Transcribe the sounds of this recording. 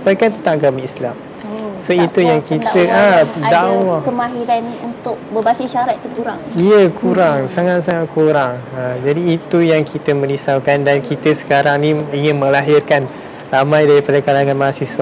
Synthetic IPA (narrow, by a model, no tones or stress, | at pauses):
pakant̪ət̪aʔɡamiislam | soit̪ujaŋkit̪əadawakəmaɦiɾanunt̪ʊk̚bəbasiʃaɾat̪it̪ukuɾaŋijəkʰuɾaŋsaŋat̪̚saŋat̪̚kuɾaŋəd͡ʒadiːt̪ujaŋkʰit̪əmə̃nisawkandankit̪əsə̥kaɾaŋnĩiŋɪnmə̃laɦɪrkan | ramãjdaɾipadakalaŋãnmaɦasiswa